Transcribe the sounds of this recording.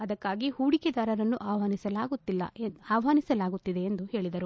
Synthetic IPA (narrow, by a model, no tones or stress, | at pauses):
ɐd̪ɐkːaːɡihuːɽikɛd̪aːɾɐɾɐnːuʔaːʋɐɦaːnisɐlaːɡut̪ːilːɐ̰aːʋɦaːnisɐlaːɡut̪ːid̪e̞ːnd̪uhe̞ːɭid̪ɐɾu